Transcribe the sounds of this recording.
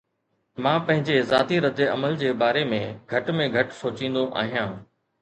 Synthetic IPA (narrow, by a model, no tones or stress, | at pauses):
mãːpɐ̃ɦɪ̃ɲd͡ʑezaːt̪iɾɐd̪eɐməld͡ʑeːbaːɾemẽɡʱɐʈmẽɡʱɐʈsoːt͡ɕĩːn̆d̪oʔa̰ːɦijãː